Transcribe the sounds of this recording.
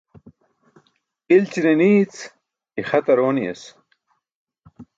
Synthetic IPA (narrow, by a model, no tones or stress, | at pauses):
ilt͡ɕiɾeniːt͡s | ixɐt̪ɐɾoːniḛs